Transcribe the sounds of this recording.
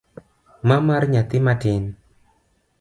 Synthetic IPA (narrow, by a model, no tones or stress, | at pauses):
mamaɾɲat̪imaɖ̥ɪn